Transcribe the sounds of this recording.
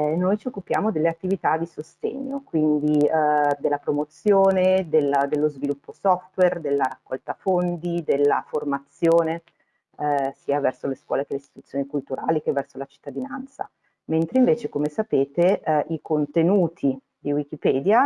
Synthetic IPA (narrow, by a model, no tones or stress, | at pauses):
ɛnojt͡ʃiokːupja̰ːmod̪elːeat̪ːivit̪ad̪isost̪ɛ̰ɲːokwind̪id̪elːapɾomot̪sjoːned̪eld̪elːozvilupːosɔft̪werd̪elːaɾakːɔ̰lt̪afond̪id̪elːa̰format̪sjoːne | siːavɛrsoleskwɔ̰ːlekeleist̪i̥t̪ut̪sːjoːnikult̪uɾa̰ːlikevːɛrsolat͡ʃi̥t̪ːad̪inant̪sa̰ | ment̪ɾeiɱveːt͡ʃekomesapeːt̪eʔikont̪enuːt̪ʰi | d̪iwik̟ipɛːd̪ja